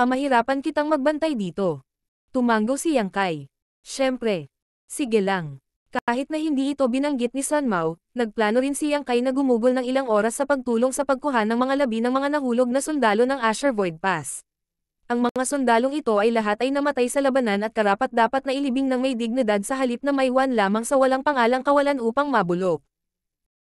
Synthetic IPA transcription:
ɐmɐhɪɾaːpɐnkɪt̪aŋmɐɡ̚bɐnt̪ajd̪iːt̪o̞ | t̪ʊmaŋɡowsɪjaŋkaj | ʃɛmpɾɛ | sɪɡɛlaŋ | kaːhɪt̪̚nɐhɪnd̪iːʔɪt̪o̞bɪnɐŋɡɪt̪̚nisanmaw | nɐɡ̚plaːno̞ɾɪnsɪjɐŋkajnɐɡʊmuːɡʊlnɐŋɪlaŋʔo̞ːɾɐsːɐpɐɡ̚t̪uːlo̞ŋsɐpɐɡ̚kʊɦanɐŋmɐŋalɐbinɐŋmɐŋanɐhuːlo̞ɡ̚nɐsʊnd̪aːlo̞nɐŋʔaʃɛɹvojd̪̚pas | ʔɐŋmɐŋasʊnd̪aːlo̞ŋɪt̪o̞ʔɐjlɐɦat̪ʔɐjnɐmɐt̪ajsɐlɐbɐnanɐt̪̚kɐɾaːpɐt̪̚d̪aːpɐt̪nɐʔɪlɪbɪŋnɐŋmɐjd̪ɪɡ̚nɪd̪ad̪̚sɐɦɐlip̚nɐmɐjwanlaːmɐŋsɐwɐlaŋpɐŋaːlɐŋkɐwɐlanʔuːpɐŋmɐbʊlok̚

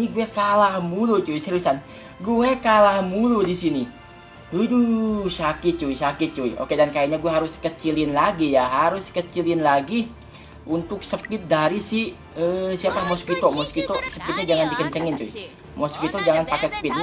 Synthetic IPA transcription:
niɡuɛkalahmulot͡ʃuisiɾusan | ɡuɛkalahmulodisini | udusakɪt̪̚t͡ʃuisakɪt̪̚t͡ʃuiʔo̰kedankajaɲaɡuɛɦaɾʊskət͡ʃilɪnlaɡijaɦaɾʊskət͡ʃilɪnlaɡi | ʔunt̪ʊksəpɪt̪̚daɾisɪh | əsiapahmɔskit̪ɔmɔskit̪ɔsəpɪt̪̚ɲad͡ʒaŋandikəɲt͡ʃəŋɪnt͡ʃui | mɔskit̪ɔd͡ʒaŋanpakɛsə̥pɪt̪̚

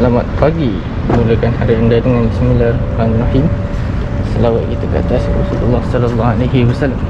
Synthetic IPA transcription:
əlamat̪̚paɡi | muləkanhaɾiəndadəŋanismilar | anːahim | səlawat̪̚kit̪aka̰t̪asrɔ̰sulṵlːahsalalːahalajɦiwasalːam

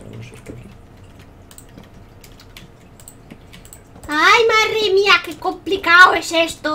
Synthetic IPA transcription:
ajmarimiakekomplikaoesest̪o

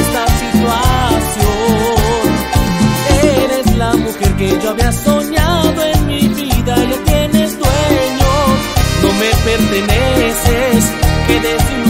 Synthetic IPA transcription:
t̪asit̪wasjon | eɾe̞zlamuxe̞ɾke̞ʝo̞aβeaso̞ɲaðo̞e̞nmiβiðalot̪je̞ne̞zd̪weɲosno̞me̞pe̞ɾt̪e̞nese̞skeðe̞si

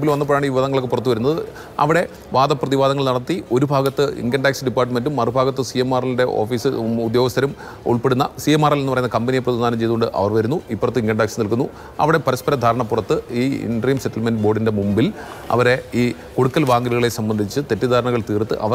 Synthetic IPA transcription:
bilʋɐnːɐp̬oːjaːɳiːʋiʋɐðɐŋːɐɭokːɨpurɐt̪̬ːɨʋɐɾunːɐðɨ | ɐ̰ʋiɽe̞ | ʋaːd̪ɐpːrɐðiʋaːd̪ɐŋːɐɭnɐɽɐt̪ːio̞ɾubʱaːɡɐt̪ːɨḭŋɡɐɳɖaːksɨɖipːaːrʈ̬ːme̞nɖumɐrɨbʱaːɡɐt̪ːɨsijemaːrɐlinde̞ʔoːfiːsɨud̪jo̞ːɡɐst̪ʰɐɾum | ṵɭpe̞ɽunːɐ̰sijemaːrɐlenːpɐrɐjunːɐkɐmbɐnijepːrɐðiaːnɐmt͡ɕe̞jðuɣoɳɖɨʔɐ̰ʋɐrʋɐɾunːuipːorɐt̪ːɨiŋɡlɐɳɖaːksɨnilkunːu | ɐ̰ʋiɽe̞pɐɾɐspɐɾɐd̪ʱaːɾɐɳɐpːurɐt̪ːɨiːḭnɖɐriːmsetːɐlmenɖbo̞ːɖinde̞mumbilɐ̰ʋɐɾe̞iː | koɽukːɐlʋaːŋɡiɾiɣɐɭesɐmbɐnd̪ʱit͡ɕːɨt̪e̞tːɨd̪ʱaːɾɐɳɐɣɐɭt̪iːrt̪ːɨ̰ʔɐ̰ʋɐ

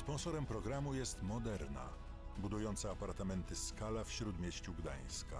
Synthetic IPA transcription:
spɔ̃ñsɔɾɛmpɾɔɡɾamujɛst̪mɔd̪ɛɾna̰ | bud̪ujɔnt̪saːpaɾt̪amɛnt̪ɘskalafɕɾud̪mʲjeɕt͡ɕuɡd̪aj̃ska̰

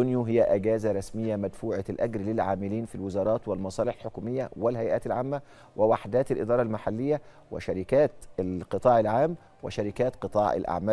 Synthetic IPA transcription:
ʊnjuɦɪjːæʔæɡæːzaɾˤɑsmɪjːæmæd̪fuːʕalʔæɡɾlɪlʕaːmɪliːnfilwɪzɑːɾˤɑːt̪wɪlmɑsˤɑːlɪħlħokuːmɪjːæwɪlhæjʔæːt̪ɪlʕaːmːæ | wɪwaħd̪æːt̪ɪlʔɪ̰d̪ɑːɾˤɑlmaħalːɪjːæ | wɪ̰ʃæɾikæːt̪qɨt̪ˤɑːʕɪlʕaːm | wɪ̰ʃæɾikæːt̪qɨt̪ˤɑːʕɪ̰lʔa̰ʕmæː

